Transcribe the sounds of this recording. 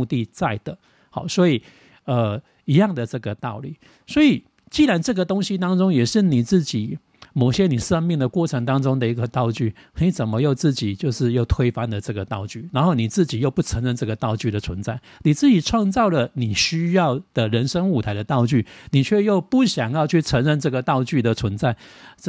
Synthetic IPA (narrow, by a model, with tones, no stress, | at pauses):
t̪i˥˧t͡sa˥˩ɪd̪̥ə˩ | hɑ̰˨˩swɔ˧˥i˨˩ | ə˧ | i˧˥jɑ˥˩ŋd̪ə˨ʈ͡ʂɤ˥˩ɡə˩t̪ɑ˥˧ʊlḭ˥˨˩ | swɔ˧˥i˨˩ | t͡ɕi˥˩ɻa˧˦nʈ͡ʂɤ˥˩ɡə˨˩t̪o˥ŋɕi˧˥t̪ɑ˥ŋʈ͡ʂʊ˥ŋjɛ˨˩ʂɻ̩˥˩ni˨˩t͡sɹ̩˥˩t͡ɕi˨˩˦ | mo˨˩ʊɕjɛ˦ni˨˩ʂə˥ŋmi˥˩ŋd̪ə˩kwɔ˥˩ʈ͡ʂʰə˧˥ŋt̪ɑ˥ŋt͡sʊ˥ŋd̪ə˨i˧˥ɡə˨t̪ɑ˥˧ʊt͡ɕy˥˩ | ni˨˧˥t͡sə˨˩nmə˦jo˥˧ʊt͡sɹ̩˥˩t͡ɕi˨˩t͡ɕjo˥˧ʊʂɻ̩˥˧jo˥˩ʊt̪ʰwe˥ɪfa˥nd̪ə˨ʈ͡ʂɤ˥˩ɡə˩t̪ɑ˥˧ʊt͡ɕy˥˩na˧˥nxo˥˩ʊni˨˩t͡sɹ̩˥˩t͡ɕi˨˩jo˥˧ʊpu˥˩t͡sʰə˧˥ŋɻə˥˧nʈ͡ʂɤ˥˩ɡə˩t̪ɑ˥˧ʊt͡ɕy˥˩ɾə˨˩t͡sʰwə˧˦nt͡sa˥˩ɪni˨˩t͡sɹ̩˥˩t͡ɕi˨˩t͡sʰwɑ˥˧ŋt͡sɑ˥˩ʊlə˩ni˨˩ɕy˥jɑ˥˩ʊd̪̥ə˩ɻə˧˥nʂə˥ŋu˨˩t̪ʰa˧˥ɪd̪ə˧t̪ɑ˥˧ʊt͡ɕy˥˩ni˨˩t͡ɕʰɥɛ˥˧jo˥˧ʊpu˥˩ɕjɑ˨˩ŋjɑ˥˧ʊt͡ɕʰy˥˩t͡sʰə˧˥ŋɻə˥˧nt͡sɤ˥˩ɡə˩t̪ɑ˥˧ʊt͡ɕy˥˩d̪ə˨t͡sʰwə˧˦nt͡sa˥˩ɪ